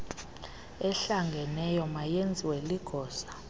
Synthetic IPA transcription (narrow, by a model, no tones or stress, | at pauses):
ɛɬaŋɡʱɛnɛjɔmajend͡zʱiweliɡ̥ʱɔːsḁ